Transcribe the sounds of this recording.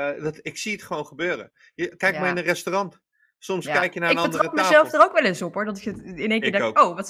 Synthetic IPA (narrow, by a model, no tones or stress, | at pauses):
dɑtɪksiətχəʋownχəbøːrə̰ | jəkɛjkmaɹɪnərɛstorɑnt | sɔmskɛjkjənaːɪkənbəntdrəp̚məazɛlˠfdarowkʋɛləsɔpɦʊɹdɔtɪkətɪneŋkɪːɹdɛowʋɑt